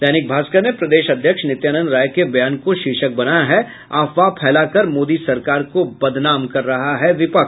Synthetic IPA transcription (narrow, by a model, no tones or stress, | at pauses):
d̪ɛːnɪk̚bʱaːskənepɾɐd̪eːʃɐd̪ʱjəkʃnɪt̪jaːnə̃nɾaːjkebɐjaːnkoʃɪːʃək̚bɐnajaɦɛ | aːfʋapʰɛːlakɐɾmoːd̪isɐɾkaːɾkobɐd̪naːmkɐɾːɐɦaɦɛʋɪpək